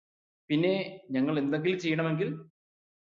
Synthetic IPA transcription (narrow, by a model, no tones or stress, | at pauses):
pinːe̞ɲɐŋːɐɭe̞nd̪eŋɡilt͡ɕe̞jːɐɳɐme̞ŋɡil